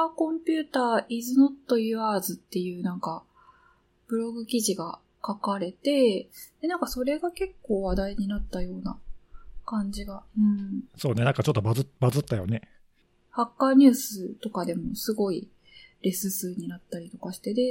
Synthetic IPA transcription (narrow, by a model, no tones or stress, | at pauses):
kõ̞mpʲɨːt̪aːʔizɨno̞t̪ːo̞jɯaːzɨt̪ːe̞jɯ̟ːnãŋka | b̥ɯ̟ɾo̞ɡɯ̟kʲiʑiɡa | kakaɾe̞t̪e̞d̪̥e̞nãŋkaso̞ɾe̞ɡake̞kːo̞ːβad̪aiɲ̟inat̪ːajo̞ːna̰kãɲ̟d͡ʑiɡaɯ̟̃ɴso̞ːne̞nãŋkat͡ɕo̞t̪ːobazɨbazɨt̪ːajo̞̰ne̞ | hakːaːɲ̟ɨːsɨt̪o̞kad̪e̞mo̞sɨɡo̞i | ɾe̞sɨsɨːɲ̟inat̪ːaɾʲit̪o̞kaɕi̥t̪e̞d̪e̞